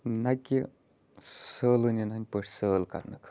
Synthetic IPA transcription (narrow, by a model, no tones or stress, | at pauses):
nɐki | səːlɨnʲinɦɐnʲpəʂʲsəːlkɐ̰ɾnɨkʰ